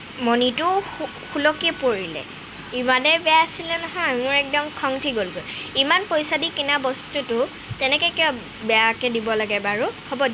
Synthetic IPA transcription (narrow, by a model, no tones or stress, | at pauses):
mɔnitʊ | xulɔkiɛpoɹilɛ̰ | imanɛbɛaasilɛnɔɦɔjmʊɹɛk̚dɔmkʰɔŋtʰiɡolɡojimanpojsadikinabɔstutʊ | tɛnɛkɛkiɔ | bɛakɛdibɔlaɡɛbaɹuhobɔd